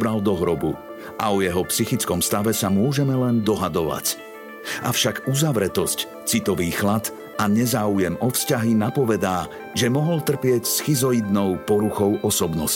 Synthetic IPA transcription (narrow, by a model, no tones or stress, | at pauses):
bɾald̪ɔɦɾɔbu | ʔa̰ɔjɛɦɔpsixit͡skɔmst̪aʋɛsamʊɔʒɛmɛlɛnd̪ɔɦad̪ɔʋa̰c | ʔa̰fʃaɡuzaʋɾɛt̪ɔsc | t͡sit̪ɔʋiːxlat̪ | aɲɛzaːujɛmɔfscaɦinapɔʋɛd̪aː | ʒɛmɔɦɔlt̪r̩pɪɛcsxizɔid̪nɔʊpɔɾuxɔʊʔɔsɔbnɔs